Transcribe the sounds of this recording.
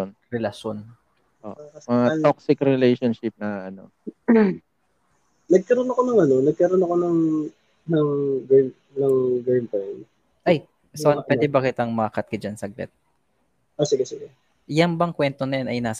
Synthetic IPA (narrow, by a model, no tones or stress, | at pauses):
onɾɛlɐʃon | ʔoːʔɐmɐaok̚sɪkɾɛlɛjʃonʃɪp̚nɐɐno̰ | nɐɡ̚kɐɾonokonɐŋɐnonɐɡ̚kɐɾonɐkonɐŋ | nɐŋɡm | nɐŋɡejmp̪ɛn | ʔaj | sʔonpwɛːd̪ɛbɐkɪt̪aŋmɐɐkɐt̪̚kɐd͡ʒɐnsɐɡlɛ̰t̪̚ | ʔosɪɡɛsɪɡɛ | jɐŋbɐŋkwɛnt̪onɐjanɐjnaːs